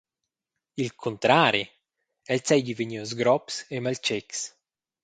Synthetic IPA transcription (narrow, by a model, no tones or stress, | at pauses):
ilkʰont̪ɾaːɾi | ɛlsɛjɟiveɲiozɡɾɔpsemalt͡ʃɛks